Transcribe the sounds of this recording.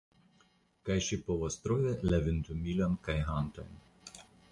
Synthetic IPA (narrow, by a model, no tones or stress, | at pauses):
kajʃipɔʋɔst̪ɾoːʋʲɛlɛʋɪnt̪umilʲɔnkajɦant̪ɔ̰jn